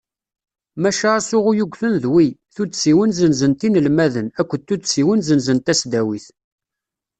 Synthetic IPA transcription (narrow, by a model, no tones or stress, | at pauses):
mæʃasʊʁujuɡʷθənðwiθusiwənzənzənt̪inəlmæðənækʷːət̪ːusiwənzənzənt̪æsd̪æwiθ